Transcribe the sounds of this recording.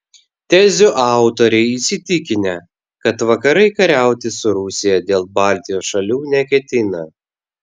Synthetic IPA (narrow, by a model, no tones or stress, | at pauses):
t̪ʲɛzʲʊʔɑˑʊt̪oɾʲɛɪisʲɪt̪ʲɪkʲɪnʲɛ | kɐt̪ʋɐkɐɾɐɪkɐɾʲæˑʊt̪ʲɪsʊɾʊsʲɪjɛd̪ʲeːlˠbɑˑlʲt̪ʲɪjoːsʃɐlʲuːnʲɛkʲɛt̪ʲɪnɐ